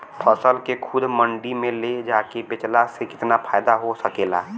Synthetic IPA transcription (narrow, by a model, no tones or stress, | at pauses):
pʰəsəlkekʰʊd̪məɳɖimẽled͡ʒaːkebɪt͡ʃlasekɪ̥t̪napʰaːɪd̪aɦosəkeːla̰ː